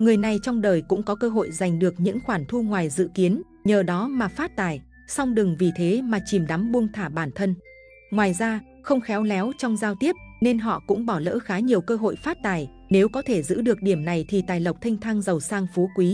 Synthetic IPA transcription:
ŋɨ˨˩əjna˨˩jt͡ɕɔ˧wŋ͡mɗəː˨˩jkʊ̰˧˥ŋ͡mkɔ˨˦kəː˧ɦo̰˧˨jza˨˩jŋ̟ɗɨ˨˩ək̚ɲɨ̰˧˥ŋxwaː˧˩nt̪ʰu˧ŋwaː˨˩jzɨ̰˧˨ki˨˦ən | ɲəː˨˩ɗɔ˨˦maː˨˩faː˦˥t̚t̪aː˧˩j | sa˧wŋ͡mɗɨ˨˩ŋvi˨˩t̪ʰe˨˦maː˨˩t͡ɕi˨˩mɗa˨˦mɓu˧əŋt̪ʰaː˧˩ɓaː˧˩nt̪ʰə˧n | ŋwaː˨˩jzaː˧ | xə˧wŋ͡mxɛ˨˦wlɛ˨˦wt͡ɕɔ˧wŋ͡mzaː˧wt̪i˦˥əp̚ne˧nɦɔ̰˧˨kʊ̰˧˥ŋ͡mɓɔ˧˩lə̰ː˧˥xaː˨˦ɲi˨˩əwkəː˧ɦo̰˧˨jfaː˦˥t̚t̪aː˨˩j | ne˨˦wkɔ˨˦t̪ʰe˧˩zɨ̰˧˥ɗɨ˨˩ək̚ɗi˧˩əmna˨˩jt̪ʰi˨˩t̪aː˨˩jlə˨˩wk͡p̚t̪ʰi˧ŋ̟t̪ʰaː˧ŋzə˨˩wsaː˧ŋfo˨˦kwi˨˦

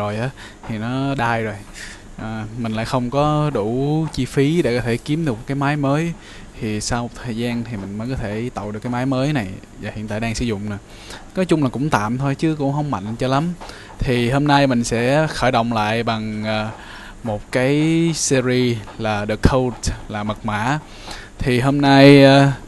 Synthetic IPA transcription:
o˨˩jʔaː˨˦ | t̪ʰi˨˩nɔ˨˦ɗaː˧jzo˨˩j | ʔaː˨˩mï˨˩ŋ̟la̰ː˧˥jxə˧wŋ͡mkɔ˨˦ɗu˧˩t͡ɕi˧fi˨˦ɗe˧˩kɔ˨˦t̪ʰe˧˩ki˨˦əmɗɨ˨˩k̚mo˨˩kːaː˨˦maː˨˦jməː˨˦j | t̪ʰi˨˩saː˧wt̪ʰəː˨˩jzaː˧nt̪ʰi˨˩mï˨˩ŋ̟məː˨˦jkɔ˨˦t̪ʰe˧˩t̪a̰˧˨w̚ɗɨ˨˩əkːaː˨˦mː˨˦jməː˨˦jna˨˩j | vaː˨˩hḭ˨˧ət̪aː˧˨jɗaː˧ŋsɨ̰˧zʊ̰˧˨ŋ͡mnɨ˧˩ | nɔ˨˦jt͡ɕʊ˧ŋ͡mlaː˨˩kʊ̰˧˥ŋ͡mt̪a̰ː˧˨mt̪ʰo˧jt͡ɕɨ˨˦kʊ̰˧˥ŋ͡mɦə˧wŋ͡mma̰˧˨jŋ̟t͡ɕɔ˧la˨˦m | t̪ʰi˨˩ɦo˧mna˧jmï˨˩ŋ̟sɛ̰˧˥xəː˧˩jɗə̰˧˨wŋ͡mla̰ː˧˨jɓa˨˩ŋʔː | mo˨˩t̚kaː˨˦jsi˧zi˧laː˨˩ɗɨ˨˩əkʰːə˧wlaː˨˩mə˨˩k̚ma̰ː˧˥ | t̪ʰi˨˩ɦo˧mna˧jː

